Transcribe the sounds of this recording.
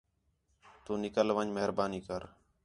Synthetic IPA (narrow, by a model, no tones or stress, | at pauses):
t̪uːnɪkəlʋəɲməɦəɾbaːniːkəɾ